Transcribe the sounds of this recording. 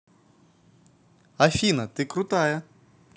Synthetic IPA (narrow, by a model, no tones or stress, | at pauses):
ɐfʲinɐt̪ɪkɾʊt̪ɑjɛ